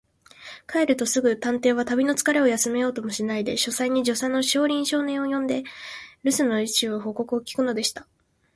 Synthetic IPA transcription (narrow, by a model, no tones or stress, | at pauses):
kʰaeɾɯ̟t̪o̞sɨɡɯ̟t̪ãnt̪e̞ːβat̪abʲino̞t͡sɨ̥kaɾe̞o̞jasɨme̞jo̞ːt̪o̞mo̞ɕinaid̪e̞ɕo̞saiɲ̟iʑo̞seno̞ɕo̞ːɾʲĩɰ̃ɕo̞ːnẽ̞ɰ̃ojõ̞nd̪e̞ɾɯ̟sɨno̞it͡ɕɨːβoɦo̞ko̞kɯ̟o̞kʲi̥kɯ̟no̞d̪e̞ɕi̥t̪a